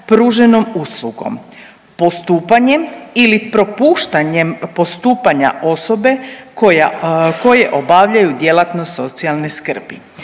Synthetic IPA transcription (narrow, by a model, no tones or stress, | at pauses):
pɾuːʒe̞no̞muslˠuɡo̰m | po̞st̪uːpaɲe̞milipɾo̞puːʃt̪aɲempo̞st̪uːpaɲa̰ʔo̞so̞be̞kojako̞je̞ʔo̞baʋʎajud̪je̞lat̪no̞so̞t̪sialˠne̞skr̩bi